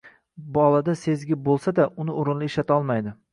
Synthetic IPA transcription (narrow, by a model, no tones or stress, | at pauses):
bɒlˠad̪ase̞zɡʲɪbolˠsad̪aʔʊnɪoɾɪnlɪɪʃlat̪ʰaɒlˠmajd̪ɪ